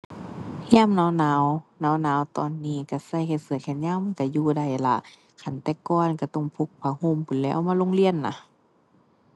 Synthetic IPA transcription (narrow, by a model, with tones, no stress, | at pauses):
haː˧˥˨mnaː˨˧˥wnaː˨˧˦wnaː˨˧˥wnaː˨˦˥wt̪ɔ̰ː˧˨nːiː˧˥˩ka˧˩sa˧˨jkʰa˧˩jsɯ˧˦˨kʰɛ˧˩nɲaː˧˥˨wmːa˧˨ka˧˩juː˧˩da˧˩jla̰˧ʔ | kʰa˧˩nt̪ɛː˧kɔː˧˨nka˧˩t̪ɔ˧˩ŋpʰo˧k̚pʰaː˧˦hoː˧˥˨mpʰu˨˦nlɛː˧˥ʔmaː˧˥˨lo˧˨ŋli˧˨ənːa̰˧